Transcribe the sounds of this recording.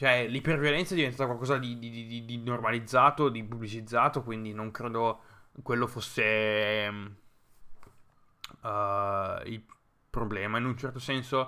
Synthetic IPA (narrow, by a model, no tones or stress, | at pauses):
t͡ʃoɛlipervjolɛnt̪sad̪ivent̪aːt̪kwalkɔːzad̪id̪id̪id̪id̪inormalid̪zːaːt̪od̪ipublit͡ʃid̪zːaːt̪okwind̪inoŋkɾeːd̪okwelːofosːe | il | pɾoblɛːmainunt͡ʃɛrt̪osɛnso